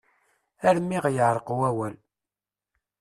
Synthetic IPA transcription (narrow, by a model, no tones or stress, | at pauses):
æɾmːiʁjəʕɾˤəqwæwæl